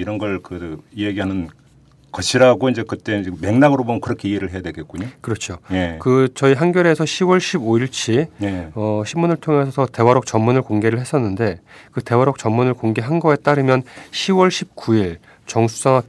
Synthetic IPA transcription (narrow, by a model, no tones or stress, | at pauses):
iɾʌnɡʌɭkɯijeɡiɦanɯn | kʌɕʰiɾaɡoind͡ʑe̞kɯt͈e̞d͡ʑme̞ŋnaɡɯɾobomʌnkɯɾʌkʰe̞ieɾɯɭɦe̞jadweɡe̞t̚k͈uɲokɯɾʌt͡ɕʰojekɯt͡ɕʌiɦanɡjʌɾe̞sʰʌɕʰiwʌɭɕʰiboiɭt͡ɕʰieʌɕʰimːunɯɭtʰoŋe̞sʰʌsʰʌte̞waɾok̚t͡ɕʌmmːunɯɭkoŋɡe̞ɾɯɭɦe̞s͈ʌnːɯnde̞kɯte̞waɾok̚t͡ɕʌmmunɯɭkoŋɡe̞ɦanɡʌe̞t͈aɾɯmjʌnɕʰiwʌɭɕʰip̚k͈uiɭ | t͡ɕʌŋsʰu̥s͈aŋa